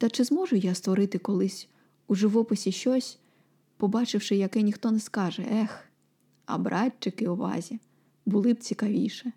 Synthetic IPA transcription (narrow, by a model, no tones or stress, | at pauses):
t̪ɐt͡ʃɪzmɔʒʊjast̪ʋɔɾɪt̪ɪkɔlˠɪsʲ | uʒɪʋɔpɪsʲiʃt͡ʃɔsʲ | pɔbɑt͡ʃɪwʃɪjɐkɛnʲixt̪ɔnɛskɑʒɛʔɛx | ɐ̰bɾʔɑtʲt͡ʃɪkɪʊʋɑ̰zʲi | bʊlˠɪb̚t͡sʲikɐʋʲḭjʃɛ